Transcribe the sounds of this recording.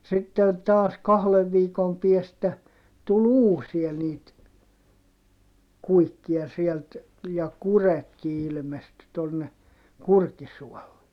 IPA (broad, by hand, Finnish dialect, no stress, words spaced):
sitːen tɑːs kɑhleʋ ʋiːkom piestæ tul uːsiɑ niːt kuikːiɑ sielt jɑ kuretki ilmesty tonːe kurkisuɔlːe